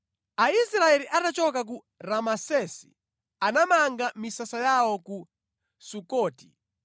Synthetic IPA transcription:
aisɾaɛliʔatat͡ʃɔkak̬u | ɾamasɛsi̥̰ | anamaŋɡamisasajawɔku | sukɔːti

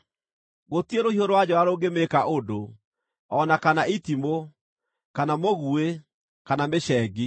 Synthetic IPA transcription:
ɣotieɾohioɾowad͡ʑɔaɾoːɡemeːkaʔodo | ɔnakanaitimo | kanamoɣue | kanameɕɛɡi

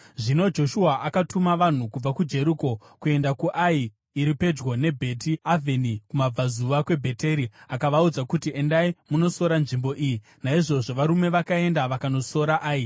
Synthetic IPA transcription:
ʐino̞d͡ʒo̞ʃuaʔakatumaʋan̤ukub͡vakud͡ʒe̞ɾuko̞ | kue̞ndakuʔaiː | ɾipe̞d͡ʒɡo̞ne̞bʱe̞tiavʱe̞nikumab͡vazuʋakwe̞bʱe̞te̞ɾiakaʋaud͡zakutiʔendaimuno̞so̞ɾanʐimbo̞ʔiji | naiʐo̞ʐo̞ʋaɾume̞ʋakae̞ndaʋakano̞so̞ɾaʔaːi

